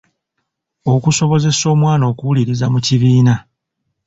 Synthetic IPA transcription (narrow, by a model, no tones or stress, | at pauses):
o̞kuso̞βo̞ze̞so̞ːmwaːno̞ːkuwuliɾizamuciβiːna